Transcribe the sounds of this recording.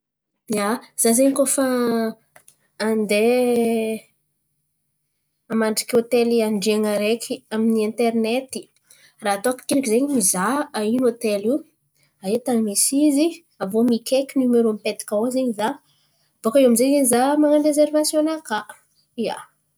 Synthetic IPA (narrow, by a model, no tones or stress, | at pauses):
az̥azeɲikofa | nd̪e | amaɳɖ͡ʐikʲot̪eliaɳɖ͡ʐeŋəɾekʲʰiaminiɛnt̪ernet̪i̥ | raat̪okḁkinikizeɲimizaainot̪eli | aet̪animesizi | avomikʲʰekʲinumeɾompet̪i̥kaozeɲiza | b̥okaewamizeɲiɲizamaŋəɖ͡ʐezervasjonaka | ia̰